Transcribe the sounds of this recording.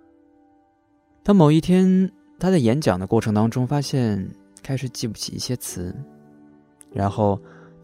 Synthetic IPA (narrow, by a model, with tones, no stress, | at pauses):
t̪ʰa˥mo˨˩ʊi˥˩t̪ʰjɛ˥n | t̪ʰa˥t͡sa˥ɪjɛ˧˥nt͡ɕjɑ̰˨˩ŋd̪ə˦kwɔ˥˩ʈ͡ʂʰɤ˧˥ŋt̪ɑ˥ŋʈ͡ʂʊ˥ŋfa˥ɕjɛ˥˩n | kʰa˥ɪʂɻ̩˨˩t͡ɕi˥˩pu˥˩t͡ɕʰḭ˨˩ḭ˥˩ɕjɛ˥t͡sʰɹ̩˧˥ | ɻa̰˧˥nxo˥˩ʊ